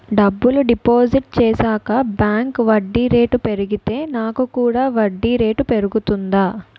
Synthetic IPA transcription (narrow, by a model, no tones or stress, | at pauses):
ɖɐbːuluɖipoːd͡ʒiʈ̚t͡ʃɛːsaːkɐbjaːŋkʋɐɖːiɾe̞ːʈupe̞ɾuɡit̪e̞ːnaːkukuːɽaːʋɐɖːiːɾe̞ːʈupe̞ɾuɡut̪und̪aː